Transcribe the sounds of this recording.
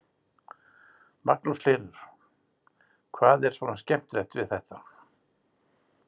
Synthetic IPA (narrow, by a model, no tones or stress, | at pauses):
mak̚nusl̥ɪːlʏɾ̥ | kʰvaːðɛɾ̥svɔːnascɛm̥t̪ɾɛht̪vɪðθɛht̪a